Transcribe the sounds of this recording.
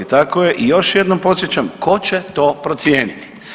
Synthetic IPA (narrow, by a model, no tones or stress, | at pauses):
it̪akojeʔijo̞ʃjed̪nompo̞t̪sjet͡ɕamko̞t͡ɕet̪o̞ːpɾot̪sjeːnit̪i̥